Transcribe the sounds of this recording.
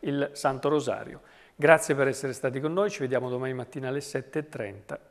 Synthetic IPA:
ilsant̪oɾoza̰ːɾj̰o̰ | ɡɾat̪sːjepeɾɛsːeɾest̪aːt̪ikonːoːjt͡ʃived̪jaːmod̪omaːnimat̪ːiːnalːesɛt̪ːeːt̪ːɾɛ̰nt̪a

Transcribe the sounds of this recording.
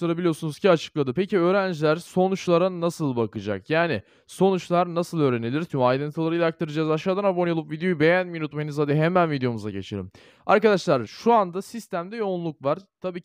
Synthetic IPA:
aɾabilʲijo̞sunuzcʰiat͡ʃʰɯ̥klˠad̪ɯpeciø̞ːɾænd͡ʒlʲæɾso̞nut͡ʃlˠaɾanasɯlˠbakɯd͡ʒa̰kjaːnɪ | so̞nut͡ʃlˠaɾnasɯlˠø̞ːɾe̞nilʲiɾt͡ʃ̪ʰymajd̪ɯnt̪ʰɯlˠaɾɯjlak̚t̪ʰaɾɯd͡ʒazaʃaːd̪anabonɯolˠɯpvid̪ejo̞jibe̞jænminut̪̚majɯnɯzad̪ɯɦemænvid̪ejo̞muza̰ɟe̞̰t͡ʃʰḛɾḭm | a̰ɾkad̪aʃlˠaɾʃuand̪asist̪ʰæmd̪ɛjonlˠuk̚vaɾt̪ʰabiːcʰ

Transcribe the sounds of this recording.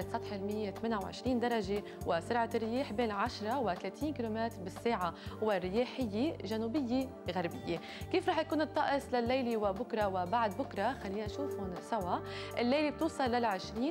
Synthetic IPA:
ɪt̪sˤɑt̪ˤħɪlmɪjːet̪ameːnʔawʕɪ̰ʃɾiːnd̪ɑɾˤɑʒe | wʔɪsɪɾʕarːɪjeːħbeːnʕaʃɾˤɑwɪt̪aleːt̪ʰiːnkiːlomɛːt̪ɾbɪsːeːʕawɪrːɪjeːħɪjːeʒanuːbɪjːe | ɣaɾbɪjːe | kiːfɾˤɑːħjakuːnɨt̪ˤːɑʔɨslalːejliwɪbʊkɾˤɑwɪbaʕd̪̚bʊkɾˤɑxalːiːnʔaʃuːfʊnsawaʔʔɪlːejlib̚t̪uːsˤɑlːalʕɪʃɾiː

